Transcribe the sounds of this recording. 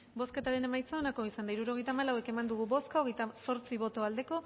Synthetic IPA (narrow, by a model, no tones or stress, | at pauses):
bo̞ske̞t̪aɾe̞ne̞majt͡saonako̞isand̪aiɾuɾoɣe̞jt̪aːmalawe̞ke̞mand̪uɣ̞ubo̞skaoɣejt̪aso̞ɾt͡siβo̞t̪o̞ald̪e̞ko̞